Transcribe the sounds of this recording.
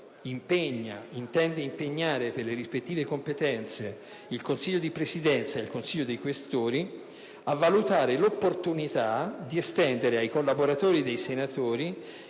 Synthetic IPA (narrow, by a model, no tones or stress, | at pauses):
impeɲːaint̪ɛnd̪eimpeɲːaːɾeperleɾispet̪ːiːvekompet̪ɛnt̪se | ilkonsiʎːod̪ipɾesid̪ɛnt̪saeilkonsiʎːod̪ejkwest̪oːɾi | avːalut̪aːɾelopːort̪unit̪ad̪iest̪ɛnd̪eɾeajkolːaboɾat̪oːɾid̪ejsenat̪oːɾi